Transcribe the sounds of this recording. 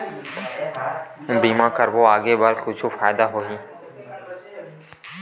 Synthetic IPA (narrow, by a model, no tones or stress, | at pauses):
biːmãːkəɾboːaːɡeːbəɾkʊt͡ʃʰufaːjd̪aːɦoːɦĩː